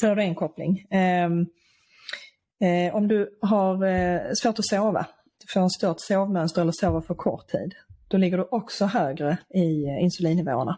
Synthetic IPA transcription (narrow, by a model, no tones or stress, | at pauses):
sɛːɖɵɛnkʰɔplɪ̰ŋ | ʔɔmd̪ɵɦaɾsvoːʈɔsoːva̰ | d̪̥ɵfoːɾɛnst̪œt̪soːvmœnst̪əɾɛlːəsoːvafœɾkʰɔ̰ʈ̪ʰːḭːd̪d̪̥ɔlɪɡːəɖɵʔɔksɔɦøːɡɾəɪɪnsɵliːnːɪvo̰ːə̰ɳa